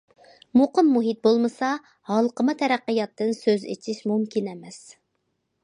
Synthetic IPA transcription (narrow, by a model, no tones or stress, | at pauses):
moqəmːuɦit̪̚bolˠmɨsɑ | hɑlˠqəmɨt̪ʰɛɾæqːəjɑt̪ːɨnsøzḛt͡ʃʰiʃmumkʲinɛmɛs